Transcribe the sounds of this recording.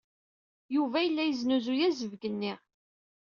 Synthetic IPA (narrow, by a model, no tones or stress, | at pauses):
juvæjəlːæjəznuzujæzəvɡənːiʁ